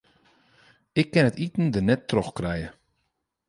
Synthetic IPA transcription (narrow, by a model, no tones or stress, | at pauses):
ɪkːɪnətitn̩dənɛtːrɔxkrɛjə